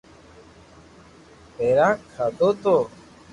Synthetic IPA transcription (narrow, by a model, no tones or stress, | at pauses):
peɾãːkʰad̪ot̪o